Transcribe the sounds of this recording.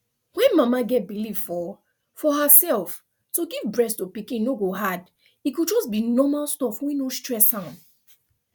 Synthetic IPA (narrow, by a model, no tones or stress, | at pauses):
wɛ̃nmamaɡɛt̚bilivfɔ | fɔɦəsɛlˠf | tuɡivbɹɛstupikĩnnːoɡoɦad | ikud͡ʒɔsbinɔmalstɔfwĩnostɹɛsãʊ̃n